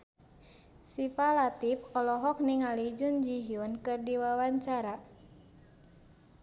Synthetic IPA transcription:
sifalat̪ipɔlɔɦɔk̚niŋalid͡ʒund͡ʒiɦiɔnkɨrdiwawaɲt͡ʃaɾa

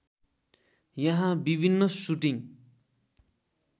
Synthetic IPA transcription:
jʌɦãbibʱinːʌsuʈiŋ

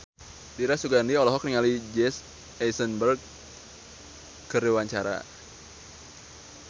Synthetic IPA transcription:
diɾasuɡandiɔlɔɦɔk̚niŋalid͡ʒɛs | ɛsənbərɡ̚ | kəɾiwaɲt͡ʃaɾa̰

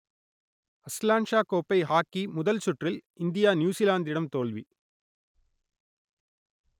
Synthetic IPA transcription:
ɐslaːɳʂaːkoːpːɐɪɦaːkːimʊðɐlsʊʈrɪlɪnd̪ɪjaːnjuːsilaːnd̪ɪɽɐmt̪oːɭʋi

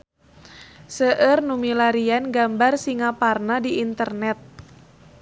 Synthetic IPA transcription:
səʔərnumilaɾianɡambarsiŋaparnadiʔːnt̪ərnɛt̪̚

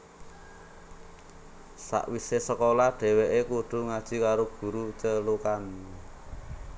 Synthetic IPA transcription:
sa̰ʔwisesəkolaɖ̥ɛ̤weʔekuɖ̥ṳŋad̥ʒ̥i̤kaɾoɡ̥ṳɾut͡ʃəlukan

